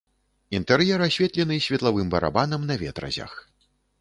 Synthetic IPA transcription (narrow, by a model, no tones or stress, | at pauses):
int̪ɛɾjɛɾasʲvʲɛt̪lʲɛnɨsʲvʲɛt̪lˠavɨmbɐɾa̰banɐmnɐvʲɛt̪ɾɐ̰zʲɐ̰x